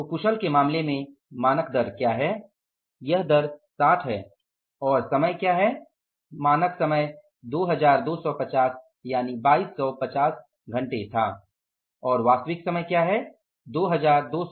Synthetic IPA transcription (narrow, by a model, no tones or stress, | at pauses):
kʊʃəlkemaːmlemẽ | maːnəkd̪əɾkjaːɦɛː | jɐɦd̪əɾsaːʈ̪ʰɦɛː | ɔːɾsɐməjkjaːɦɛː | maːnəksɐməj | d̪oːɦɐzaːɾd̪oːsɔpɐt͡ʃaːs | jaːnibaːiːsːɔːpɐt͡ʃaːs | ɡʱɐ̃ɳʈet̪ʰa̰ː | ɔːɾʋaːst̪əʋɪksɐməjkjaːɦɛ | d̪oːɦɐzaːɾd̪oː